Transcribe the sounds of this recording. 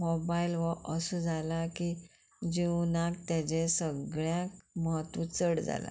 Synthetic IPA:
mɔbailʋəʔəsud͡zalaki | d͡ʑiwnak̚t̪jãd͡ʑesəɡɭjãkməɦət̪ũt͡səɽd͡za̰la̰

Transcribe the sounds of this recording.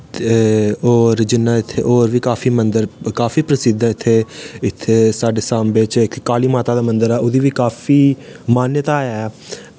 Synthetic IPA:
oːɾd͡ʒɪnːaːɪt̪ʰːḛːʔoːɾʋiːkaːfiːmə̃nd̪əɾkaːfiːpɾəsɪd̪ʱãːɪt̪ʰːeːɪt̪ʰːeːsaːɖeːsãːmbeːt͡ʃkkaːliːmaːt̪aːd̪aːmə̃nd̪əɾɛːʔʊd̪iːʋiːkaːfiːmaːnjət̪aːjɛː

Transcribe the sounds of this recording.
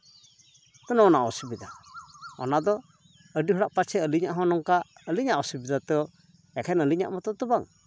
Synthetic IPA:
t̪ɔnɔnaʔɔsibid̪aɔ̰nad̪ɔ | əɖiɦɔɽaʔpat͡ʃʰɛəliɲaʔɦɔ̃nɔŋkaəliɲaʔɔsibid̪at̪ɛɔ | ɛkʰɛnəliɲa̰ʔmɔt̪ɔt̪ubaŋ

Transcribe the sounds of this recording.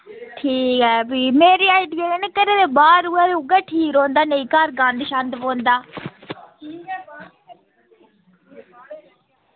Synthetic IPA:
ʈʰiːkɦɛːbiːmeːɾiːaːɪɖienekəɾẽːd̪eːbaːɾuaːd̪eʊɡaːʈʰiːkɾõːnd̪aːnəĩkaːɾɡãːnd̪ʃãnd̪põːnd̪aː

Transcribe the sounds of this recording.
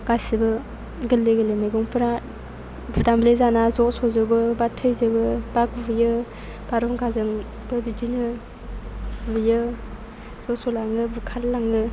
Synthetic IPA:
ɡ̥ajsɯbɯ | ɡɯlːeɡɯlemejɡɔŋpʰɯɾa | budamblezanazɔsɔzɯbɯbatʰɯjzɯbɯb̥akvɯjɯ | b̥aɾɔŋkʰazɯŋ | b̥ɯbidinɯ | bɯjɯ | z̥ɔsɔlaŋɯbukʰatlaŋɯ

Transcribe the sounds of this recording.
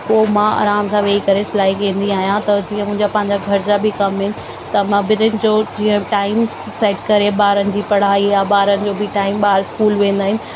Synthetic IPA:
koːmãa̰ːɾaːmsãʋeːikɐɾesɪlaːikẽːn̆d̪iaːɦijãt̪ɐd͡ʑiːə̃mʊ̃ɦɪ̃ɲd͡ʑapɐ̃ːɦɪ̃ɲd͡ʑaɡʱɐɾd͡ʑabʱɪkɐmɦɪnɪ̆ | t̪ɐmãbɪnənɪ̆d͡ʑoːd͡ʑiːə̃ʈaːɪm | seːʈkɐɾeɓaːɾənɪ̆d͡ʑiːpɐɽ̤aːijaɓaːɾənɪ̆d͡ʑoːbʱɪʈaːɪmɓaːɾskuːlʋẽːn̆d̪aːɦɪnɪ̆

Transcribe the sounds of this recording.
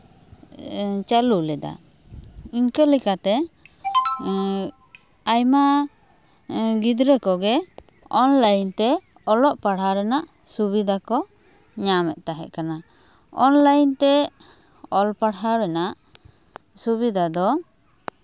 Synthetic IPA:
t͡ʃalulɛd̪a̰ | iɲkəlikat̪ɛ | ajma | ɡid̪ɾɛkɔɡɛ | ɔnlajnt̪ɛ | ɔlɔʔpaɽɦaɾɛnaʔ | subid̪ʱakɔ | ɲamɛʔ̪̚ˀt̪aɦɛ̰ʔ̪̚kana | ɔnlajnt̪ɛ | ɔlpaɽɦaɾɛnaʔ | subid̪ʱad̪ɔ

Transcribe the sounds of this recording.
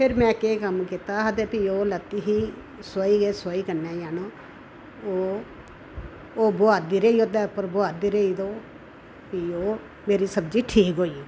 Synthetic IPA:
pʰɪɾmɛ̃ːkeːkəmkit̪aːɦəd̪eːpiːoːlət̪ːiːɦiː | soiːɡeːsoːiːkənɛːjaːnoː | oː | oːboaːd̪iːɾəiːoːd̪ɛːpːəɾbʊaːd̪iːɾəiːd̪oː | piːoː | meːɾiːsəbd͡ʒiːʈʰiːkɦoːiː

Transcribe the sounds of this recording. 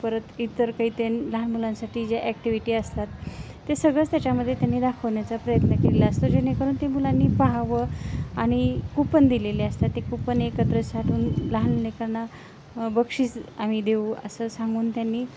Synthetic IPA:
pəɾət̪it̪ːəɾkəiːt̪enlaɦənmulãnsaʈiːd͡ʑjaʔækʈiʋiʈiːəst̪at̪ː | esəɡɭət͡st̪jat͡ɕaməd̪ʱːjet̪janːiːd̪akʰəʋɳjat͡sapɾəjət̪nəkelilaəst̪od͡ʑenekəɾuːnt̪emulanːiːpaɦaʋəaɽ̃ikupənd̪ileleəst̪at̪ːekupənekət̪ɾəsaʈʰuːnlaɦənlekəɾna | bəkʂiːt͡sam̤id̪euə̰səsãŋɡuːnt̪janːiː

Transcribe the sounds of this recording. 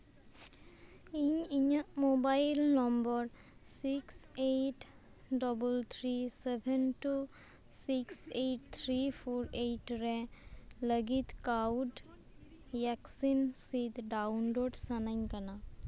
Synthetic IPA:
iɲiɲəmobajlnɔmbɔɹ | siksejʈ | dɔbəlt̪ʰɹisɛbʱɛnʈu | siksejʈt̪ʰɹipʰɔɹejʈɹɛləɡit̪kawd | jaksinsit̪dawnloɖsanajɲkana

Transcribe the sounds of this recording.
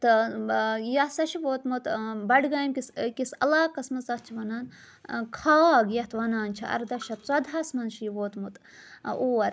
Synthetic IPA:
t̪ɨ | jɐsɐʃiʋoːt̪mut̪bɐɖɡaːjmkʲiskisɐlaːkɐsmɐzɐt̪̚t͡ʃʰiʋɐnaːn | kʰaːɡjɐht̪ʰʋɐnaːnt͡ʃʰiɐ̰ɾd̪ɐʃɐt̪t͡sɐd̪ɐsmɐnʃiʋoːt̪mut̪ | uːɐɾ

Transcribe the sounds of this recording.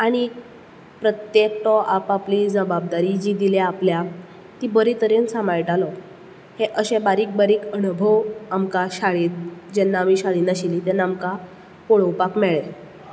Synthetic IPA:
aɽ̃i | pɾət̪jek̚t̪ɔʔapaplid͡zəbab̚d̪aɾid͡ʑiːd̪ileaplja | t̪ibəɾit̪əɾensamajʈalɔ | heʔəɕɛ̃baɾiːk̚baɾiːkənubʱəwamkaɕaɭiːt̪̚d͡ʑɛnːaːmiɕaɭiːnaɕilit̪ɛnamka | koɭəwpakmɛɭe

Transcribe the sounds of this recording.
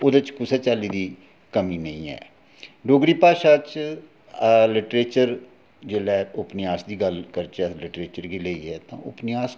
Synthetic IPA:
oːd̪ət͡ʃkʊseːt͡ʃaːliːd̪iː | kəmiːnəĩːɛ̰ː | ɖoːɡɾiːpaːʃaːt͡ʃ | lɪʈɾeːt͡ʃəɾ | d͡ʒeːlɛːʊpniaːsd̪iːɡəlkəɾt͡ʃːlɪʈɾeːt͡ʃəɾɡiːleːḭːɛːt̪ã̰ːʊpniaːs

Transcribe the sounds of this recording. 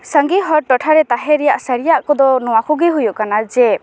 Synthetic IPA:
səŋɡiɦɔɾʈɔʈʰaɾɛt̪aɦɛɾɛjaʔsəɾijaʔkɔd̪ɔnɔwakʰuɡiɦujuʔkanad͡ʒɛ

